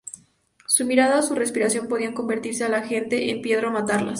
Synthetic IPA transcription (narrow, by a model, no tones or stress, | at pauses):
sumiɾaðaosure̞spiɾasjo̞mpo̞ð̞iaŋko̞mbe̞ɾt̪iɾse̞alaxe̞nt̪e̞ʔempje̞ðɾaomat̪aɾla̰s